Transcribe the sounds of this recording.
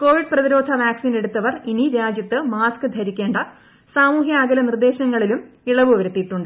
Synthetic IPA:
ko̞ːʋiɖ̚prɐðiɾo̞ːd̪ʱɐʋaːksiːne̞ɽut̪ːɐʋɐriniɾaːd͡ʑjɐt̪ːɨmaːskɨd̪ʱɐɾikʲːe̞ːɳɖɐ | saːmuːɦjɐaːɡɐlɐnird̪e̞ːɕɐŋːɐɭilum | iɭɐʋɨʋɐɾɐt̪ːiʈːuɳɖɨ

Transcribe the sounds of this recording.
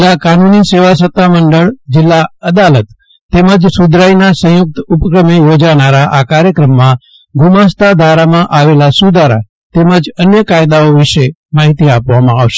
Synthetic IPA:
lakanuniseʋasət̪ʰːaməɳɖəɭd͡ʒɪlːaəd̪alət̪ː | eməd͡ʒsud̪ɾajnasə̃jʊk̚t̪upkɾəmejod͡ʒanaɾaʔakaɾjəkɾəmːã | ɡʱumãst̪ad̪ʱaɾamãʔaʋelasud̪ʱaɾa̰ | t̪eməd͡ʒənjəkajd̪aoʋɪʃe | maɦit̪iapʋamãaʋʃe

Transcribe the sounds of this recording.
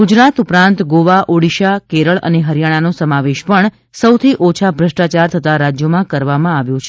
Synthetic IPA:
ɡud͡ʒɾat̪upɾãnt̪ɡoʋaʔoɽiʃakeɾəɭə̰neɦəɾjaɽ̃anosəmaʋeʃpəɳ | səwt̪ʰiʔot͡ʃʰabʱɾəʂʈat͡ʃaɾt̪ʰət̪aɾad͡ʒjomãkəɾʋamãaʋjũt͡ʃʰe

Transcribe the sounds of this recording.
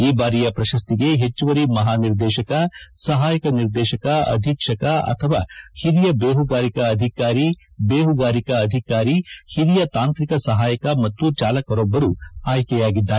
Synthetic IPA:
iːbaːɾijɐpɾɐʃɐst̪iɡe̞ɦet͡ʃːuʋɐɾimɐɦaːniɾd̪ɛːʃɐkɐsɐɦaːjɐkɐniɾd̪ɛːʃɐkɐɐ̰d̪ʱikʂɐkɐɐ̰t̪ʰɐʋaːhiɾijɐbeːɦuɡaːɾikɐːd̪ʱikaːɾibeːɦuɡaːɾikɐːd̪ʱikaːɾihiɾijɐt̪aːnt̪ɾikɐsɐɦaːjɐkɐmɐt̪ːut͡ʃaːlɐkɐɾɔbːɐɾuaːjkɛjaːɡid̪ːaː

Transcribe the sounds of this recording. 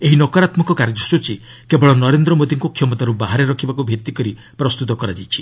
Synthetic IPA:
eɦinɔkɔɾat̪mɔkɔkaɾd͡ʒɔsut͡ʃi | kebɔɭɔnɔɾend̪ɾɔmod̪iŋkukʰjɔmɔt̪aɾubaɦaɾeɾɔkʰibakubʱit̪ikɔɾi | pɾɔst̪ut̪ɔkɔɾad͡ʒajt͡ʃʰi̥

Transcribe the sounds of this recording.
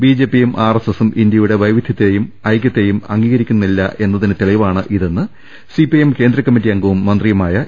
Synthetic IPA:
biːd͡ʑe̞ːpːijumʔaːresesumʔindjɐjuɽe̞ʋɐjʋid̪ʱjɐt̪ːejumɐjkʲjɐt̪ːe̞jumɐ̰ŋɡiːɣɐɾikʲːunːilːɐʔe̞nːɐðinɨt̪iɭijʋaːɳɨʔiðe̞nːɨ | sipijemke̞ːnd̪ɾɐkːɐmːit̬ːijɐŋɡɐʋumːɐnd̪rijɐmaːjɐ

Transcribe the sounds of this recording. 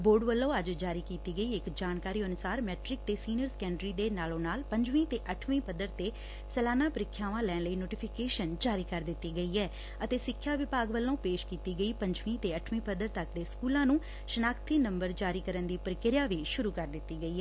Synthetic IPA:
boːɖʋəlːõːəd͡ʒd͡ʒaːɾiːkiːt̪iːɡəiːɪkd͡ʒaːnkaːɾiːənʊsaːɾmɛːʈɾɪk̚t̪eːsiːnəɾsə̥kɛ̃ːɳɖɾiːd̪eːnaːlõːnaːlpəɲd͡ʒʋĩːt̪eːʔəʈʰʋĩːpəd̪əɾt̪eː | sɛːlaːnaːpəɾɪkʰːjaːʋãːlɛːnləiːnoːʈɪːpʰɪkeːʃənd͡ʒaːɾiːkəɾd̪ɪt̪ːiːɡəiːɛː | ət̪eːsɪkʰːjaːʋɪpaːɡʋəlːõːpeːʃkiːt̪iːɡəiːpəɲd͡ʒʋĩːt̪eːəʈʰʋĩːpəd̪əɾt̪əkd̪eːskuːlãːnũː | ʃənaːkt̪iːnəmbəɾd͡ʒaːɾiːkəɾənd̪iːpəɾɪkɪɾjaːʋiːʃʊɾuːkəɾd̪ɪt̪ːiːɡəiːɛː

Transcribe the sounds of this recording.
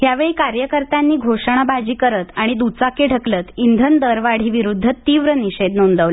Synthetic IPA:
ɦjaʋeɭikaɾjəkəɾt̪anːiːɡʱoʂəɳ̃abad͡ʑiːkəɾət̪aɽ̃id̪ut͡sakeɖʱəklət̪ind̪ʱənd̪əɾʋaɽ̤iːʋiɾud̪ʱːət̪iːʋɾəniɕed̪nəund̪əʋlə

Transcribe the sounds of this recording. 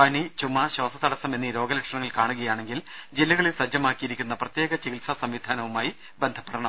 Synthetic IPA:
pɐnit͡ɕumːɐɕɐːsɐt̪ʰɐɽɐsɐme̞nːiɾo̞ːɡɐlɐkʂɐɳɐŋːɐɭkaːɳuɣɐjaːɳe̞ŋɡild͡ʑilːɐɣɐɭilsɐd͡ʑɐmaːkːijiɾikʲːunːɐprɐt̪je̞ːɡɐt͡ɕiɣilsɐsɐmʋid̪ʱaːnɐʋumaːji | bend̪ʱɐpːeɽɐɳɐm

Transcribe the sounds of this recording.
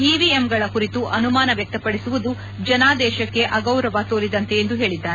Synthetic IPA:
iːʋiemɡɐɭɐkuɾit̪uʔɐnumaːnɐʋjɐk̚t̪ɐpɐɽisuʋud̪u | d͡ʒɐnaːd̪ɛːʃɐkːe̞ʔɐɡɐwɾɐʋat̪oːɾid̪ɐnt̪e̞ːnd̪uɦe̞ːɭid̪ːaːɾe

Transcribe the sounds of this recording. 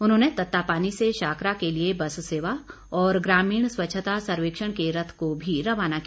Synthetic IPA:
ʊnɦõːnet̪ɐt̪ːapaːniseʃaːkɾakeliebɐsseːʋa | ɔːɾɡɾaːmiːɽ̃swɐtːʃʰət̪asɐɾʋeːkʃəɽ̃keɾɐt̪ʰkobʱiɾɐʋaːnak

